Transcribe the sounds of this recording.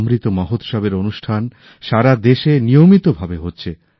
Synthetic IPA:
mɾit̪omɔɦot̪ʃɔbeɾonuʃʈʰan | ʃaɾad̪eʃenijomit̪obʱabeɦotːɕʰe

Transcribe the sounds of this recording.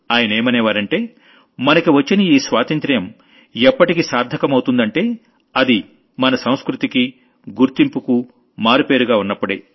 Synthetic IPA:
aːjɐnɐeːmɐneːʋaːɾɐɳʈe̞ː | mɐnɐkiʋɐt͡ʃːiniiːsʋaːt̪ɐnt̪ɾɐjɐm | ɛpːɐʈikisaːɾd̪ʱɐkɐmɐwt̪und̪ɐɳʈe̞ː | ɐd̪i | mɐnɐsɐ̃w̃skɾut̪iki | ɡuɾt̪impuku | maːɾupe̞ːɾuɡaːunːɐpːuɽḛː

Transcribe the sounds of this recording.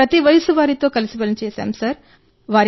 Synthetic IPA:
ɾɐt̪iʋɐjɐsuʋaːɾit̪o̞ːkɐlisibɐlɐnit͡ʃɛːsa̰ːmsaːɾ | ʋaːɾ

